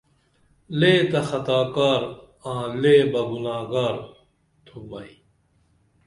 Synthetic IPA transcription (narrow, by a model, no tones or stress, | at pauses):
leːt̪ɐxɐt̪aːkaːɾ | ãːleːbɐɡunaːɡaːɾ | t̪ʰumɐi